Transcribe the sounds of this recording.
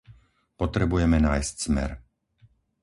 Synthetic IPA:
pɔt̪ɾɛbujɛmɛnaːjscz̥mɛ̰ɾ

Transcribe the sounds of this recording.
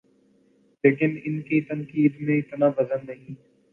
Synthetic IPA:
leːkɪnɪnkit̪ənkiːd̪mẽɪt̪naːbəzənːəɦĩː

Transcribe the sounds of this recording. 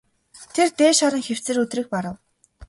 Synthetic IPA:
t̪ʰert̪eːʃɔɾə̆ŋxew̥t͡sɘ̆rɵt̪riːk̚paɾə̆w

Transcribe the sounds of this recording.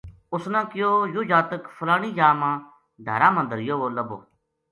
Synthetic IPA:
ʊsnãːkɪjoːjuːd͡ʒaːt̪əkfʰəlaːɳĩːd͡ʒaːmãː | d̪ʱə̰ːɾãːmãːd̪əɾjoːoːləbo̰ː

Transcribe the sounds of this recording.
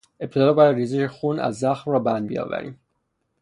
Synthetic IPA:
e̞p̚t̪ʰe̞d̪ɒːbɒjæd̪ɾiːziʃexuːnæ̰zːæxmrɒːbænd̪bijɒ̰ːvæ̰ɾḭːm

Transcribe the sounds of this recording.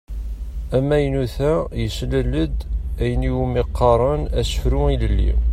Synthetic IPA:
æmːæjnuθæjəslələd̪æjəniwumiqːɑɾˤənæsə̥fɾuiləlːḭ

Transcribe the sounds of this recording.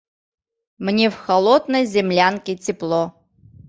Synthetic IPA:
mnʲɛfxɐlˠɔd̪nəjzʲɪmlʲankʲɪt͡sʲɪplˠɔ

